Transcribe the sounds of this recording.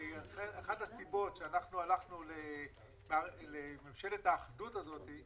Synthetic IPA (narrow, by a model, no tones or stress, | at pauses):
eeχadhasibo̞tʃeanaχnualaχnule | mealememʃe̞lethaːχdutazo̞ti